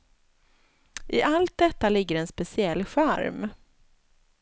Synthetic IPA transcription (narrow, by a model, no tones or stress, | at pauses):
ʔɪʔalt̪̚d̪ɛt̪ːalɪɡːəɾɛnspɛsɪɛlːɧæɾm